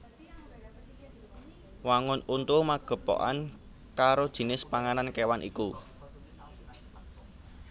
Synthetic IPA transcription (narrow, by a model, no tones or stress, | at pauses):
waŋʊnunt̪umaɡ̥ə̤po̰ʔa̰n | kaɾod̥ʒ̥i̤nɪspaŋanankewanʔḭku